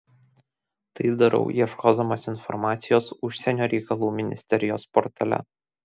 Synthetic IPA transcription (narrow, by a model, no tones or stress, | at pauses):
t̪ɐɪd̪ɐɾɐ̰ʊʔiɛʃkoːd̪ɐmoːsɪnfɔ̰ɾmɑːt̪sʲɪjoːsʊʃʲsʲɛnʲoːɾʲɛɪkɐlˠuːmʲɪnʲɪ̰sʲt̪ʲɛɾʲɪjoːspɔɾt̪ɐlʲɛ̰